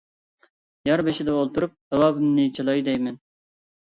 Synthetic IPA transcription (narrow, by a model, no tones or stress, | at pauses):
jɑɾbeʃɪd̪ɛolˠt̪ʰuɾup̚ɛwɑːbɨmnɪt͡ʃʰelˠɑjd̪ɛjmɛn